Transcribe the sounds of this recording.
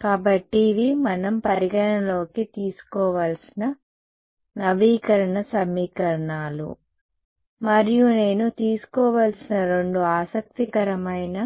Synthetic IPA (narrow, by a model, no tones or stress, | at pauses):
kaːbɐʈːiːʋimɐnɐmpɐɾiɡɐɳɐlo̞ːkit̪iːsu̥kɔːʋaːlsinɐ | nɐʋiːkɐɾɐɳɐsɐmːiːkɐɾɐɳaːlṵ | mɐɾijune̞ːnut̪iːsu̥kɔːʋaːlsinɐɾo̞ɳɖuaːsɐk̚t̪ikɐɾɐmɐjnɐ